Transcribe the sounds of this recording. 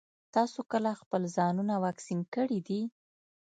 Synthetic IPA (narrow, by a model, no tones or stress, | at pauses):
t̪ɑsokəlaxpəlzɑnunawɑksinkəɽid̪i